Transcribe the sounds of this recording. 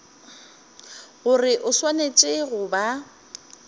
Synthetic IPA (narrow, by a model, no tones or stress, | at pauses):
ɣʊrɪʔʊswanet͡ʃʼɪɣʊba